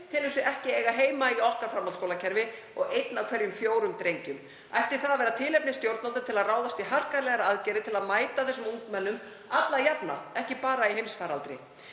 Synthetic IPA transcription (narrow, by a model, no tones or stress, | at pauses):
t̪ʰɪlhɪsʏɛhcɪeːjɣaɦeːjmaiɔhkaɾfɾamːalskowlacʰɛɾvɪ | ɔɣejt̪nawkʰvɛɾjʏmfjoːwɾʏmt̪ɾejɲcʏm | ajft̪ɪɾ̥θaðavɛːɾat̪ʰɪːlɛp̚nɪst̪jowɾt̪nalɪt̪ʰɪlaðraːwðast̪iɦar̥kaɾlɛɣaɾaaðcɛːɾɪt̪ʰɪlaðmaːjt̪aθɛsʏmuŋt̪mɛnːʏm | at̪lajapna̰ɛhcɪpaːɾaiɦejmsfaːɾalt̪ɾɪ